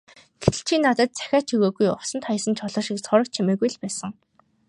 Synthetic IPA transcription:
ɡʰeɬt͡ɕʰiːnːat̪ə̆t̪̚t͡sæ̥xʲaːt͡ɕʰiɣoːɣujʊsə̆nt̪χʰajə̆sə̆nt͡ɕʰɔɮɔ̆ːʃiksɔɾə̆k̚t͡ɕʰimeːɣujɮpæːsə̆ŋ

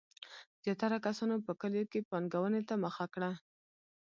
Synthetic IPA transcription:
z̥jɑt̪aɾakasɑnopəkəljokepɑnɡawənet̪aməxakɽa

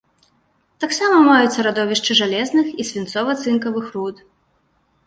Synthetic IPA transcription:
t̪aksamɐmajut̪sːɐɾad̪ɔvʲiʂt͡ʂɨʐalʲɛznɨxisʲvʲint̪sɔvɐt̪sɨnkɐvɨxɾut̪

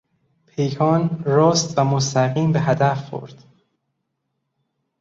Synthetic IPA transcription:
pʰe̞jkʰɒːnɾɒːst̪væmost̪ʰæɣiːmbeɦæd̪æfxo̰ɾd̪̥

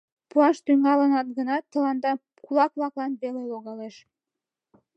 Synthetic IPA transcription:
puɑʃt̪yŋɑlənɑt̪̚ɡənɑt̪ːə̆lɑnd̪ɑ | kulˠɑkβlˠɑklˠɑnbeleloɣɑleʃ

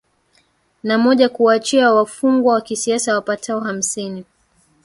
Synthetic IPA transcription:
namɔʄakuat͡ʃiawafuŋɡwawakisiasawapatʰaɔham̩sini

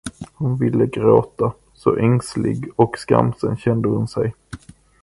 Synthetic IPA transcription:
hʊnvɪlːəɡɾoːt̪a | sɔʔɛŋslɪ̰ɡɔkska̰msənɕɛnd̪əhʊnsɛj

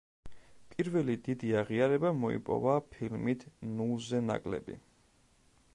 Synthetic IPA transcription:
pʼiɾvɛlid̪id̪iaʁiaɾɛbamɔḭpʼɔ̰vapʰilmit̪ʰnulˠzɛna̰kʼlɛ̰bḭ

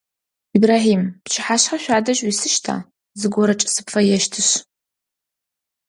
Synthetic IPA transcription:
ibraːħiːmpt͡ʃʰɪħaːɕħaɕʷaːdɐɕʼwisɨʃtʰa̰ː | zɨɡʷɔɾɐt͡ʃʼɪsɨ̥pfɐjɛʃtʰɨɕ

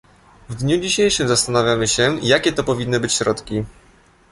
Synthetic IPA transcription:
vd̪ɲud͡ʑiɕejʂɘmzast̪anavʲjamɘɕɛjakʲɛt̪ɔpɔvʲinːɘbɘt͡ɕɕɾɔt̪kʲi

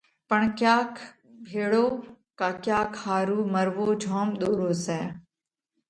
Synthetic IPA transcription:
pəɳkjaːk | bʱeːɽoː | kaːkjaːkʰhaːɾuːməɾʋoːd͡ʒʱɔːmɗ̪oːɾoːsɛ̃ː

